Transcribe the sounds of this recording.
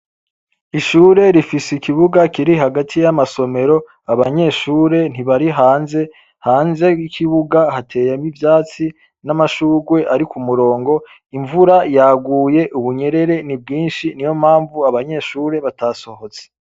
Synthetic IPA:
iʃuːɾe̞ɾifisikiβuɡakiɾiɦaɡatʰijamaso̞me̞ɾo̞ | aβaɲe̞ʃuːɾe̞n̥iβaɾiɦaːnze̞ | haːnze̞ikʰiβuɡaɦatʰe̞ːjamivjaːt͡si | namaʃuːɡwe̞ʔaɾikumuɾo̞ːŋɡo̞ | iɱvuɾajaːɡuːje̞ʔuβuɲe̞ɾe̞ɾe̞nib̚ɡiːnʃinijo̞m̥haːɱvuaβaɲe̞ʃuːɾe̞βataːso̞ho̞t͡se̥

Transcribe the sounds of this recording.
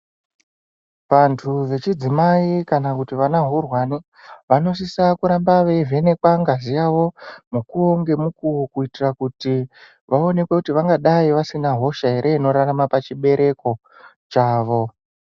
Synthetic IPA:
ʋantʰuʋe̞t͡ʃid͡zimaikanakutiʋanaɦurwani | ʋano̞s̬isakuɾambaʋevʱe̞ne̞kwaŋɡazijaʋo̞mukuoŋɡe̞mukuwokuitirakuti | ʋao̞ne̞kwe̞kutiʋaŋɡaɗaiʋasinaɦo̞ʃaɦe̞ɾʔe̞ino̞ɾaramapat͡ʃiɓe̞ɾʔe̞ko̞ | t͡ʃaːʋo̞

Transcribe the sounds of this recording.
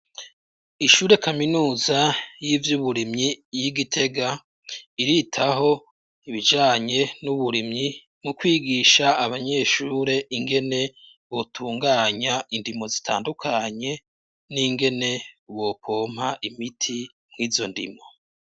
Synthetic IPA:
iʃuːɾe̞kaminuːzajiːvjuβuɾimɲijiɡitʰe̞ɡa | iɾitʰaɦo̞ | iβid͡ʒaːɲe̞nuβuɾimɲi | mukwiːɡiʃaːβaɲe̞ʃuːɾe̞ʔiŋɡe̞ne̞ | βo̞tʰuːŋɡaːɲaʔindimo̞zitʰa̰ːndukʰaɲe̞ | niŋɡe̞ne̞βo̞kʰoːm̥haʔimitʰi | mŋiːzo̞ndḭmo̞

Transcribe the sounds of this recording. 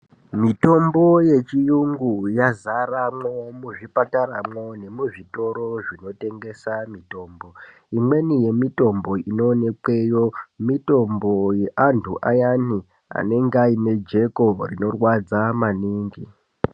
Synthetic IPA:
mito̞mbo̞je̞t͡ʃijuŋɡujazaramwomuʐipataɾamwone̞muʐito̞ɾo̞ʐino̞te̞ŋɡe̞samito̞ːmbo | imwe̞nije̞mito̞mbo̞ino̞ːne̞kwe̞jomito̞mbo̞je̞ʔantʰuʔajani | a̰ne̞ŋɡaine̞d͡ʒe̞korino̞rwad͡zamaniːŋɡi

